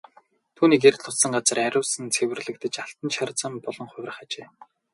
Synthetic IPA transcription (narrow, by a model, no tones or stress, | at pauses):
t̪ʰuːniːkerɮʰʊ̥ssə̆ŋɢat͡sə̆ræɾʲʊːsə̆nt͡sʰewɘ̆rɮɘ̆k̚t̪ɘ̆t͡ɕaɬt̪ə̆nt͡ɕʰart͡sə̆mpɔɮɞ̆ŋχʊ̟wʲrə̆χat͡ɕeː